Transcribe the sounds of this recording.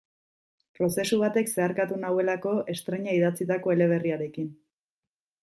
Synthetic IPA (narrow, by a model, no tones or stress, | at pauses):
pɾo̞se̞suβ̞at̪e̞kse̞aɾkat̪unawe̞lako̞e̞st̪ɾe̞ɲaiðat͡sit̪ako̞e̞le̞β̞e̞riaɾe̞kin